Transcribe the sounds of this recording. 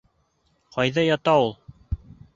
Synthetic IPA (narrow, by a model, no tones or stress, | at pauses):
qɑjðɑjɑt̪ɑulˠ